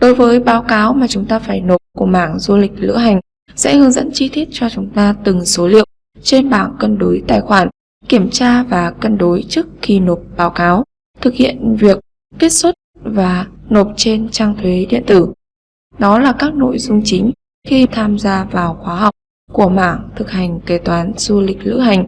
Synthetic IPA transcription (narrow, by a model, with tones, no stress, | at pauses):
ɗo˨˦jvəː˨˦jɓaː˨˦wkaː˨˦wmaː˨˩t͡ɕʊ˨˦ŋ͡mt̪aː˧faː˧˩jno˨˩p̚ku˧˩əmaː˧˩ŋzu˧lï˨˩k̟̚lɨ̰˧əɦa˨˩jŋ̟ | sɛ̰˧˥hɨ˧əŋzə̰˧˥nt͡ɕi˧t̪i˦˥ət̚t͡ɕɔ˧t͡ɕʊ˨˦ŋ͡mt̪aː˧t̪ɨ˨˩ŋso˨˦lḭ˧˨əw | t͡ɕe˧nɓaː˧˩nkə˧nɗo˨˦jt̪aː˨˩jxwaː˧˩n | ki˧˩əmt͡ɕaː˧vaː˨˩kə˧nɗo˨˦jt͡ɕɨ˦˥əkxi˨˩no˨˩p̚ɓaː˨˦wkaː˨˦w | t̪ʰɨ˨˩k̚hḭ˧˨ənvi˨˩əkː | e˦˥t̚sə˦˥t̚vaː˨˩no˨˩p̚t͡ɕe˧nt͡ɕaː˧ŋt̪ʰwe˨˦ɗḭ˧˨ənt̪ɨ˧˩ | ɗɔ˨˦laː˨˩kaː˦˥k̚no̰˧˨jzʊ˧ŋ͡mt͡ɕï˨˦ŋ̟ | xi˧t̪ʰaː˧mzaː˧vaː˨˩wxwaː˨˦ɦa˨˩wk͡p̚ | ku˧˩əma̰ː˧˩ŋt̪ʰɨ˨˩k̚ha˨˩jŋ̟ke˧˩t̪waː˨˦nz̥u˧lï˨˩k̟̚lɨ̰˧˥ɦa˨˩jŋ̟